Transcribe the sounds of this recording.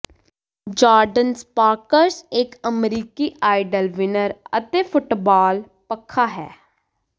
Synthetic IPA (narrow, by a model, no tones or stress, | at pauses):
d͡ʒaːɾɖənspaːɾkəɾsɪkəmɾiːkiːʔaːɪɖəlʋɪnəɾə̰t̪eːpʰʊʈbaːl | pəkʰːaːɦɛ̰ː